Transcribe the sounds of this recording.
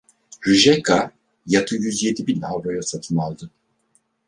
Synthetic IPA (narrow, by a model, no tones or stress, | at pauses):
ɾyʒɛkʰa | jat̪ʰɯjyzje̞d̪ibinavɾojasat̪ʰɯnalˠd̪ɯ